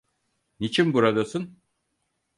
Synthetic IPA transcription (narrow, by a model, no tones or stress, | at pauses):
nit͡ʃʰinbuɾad̪asun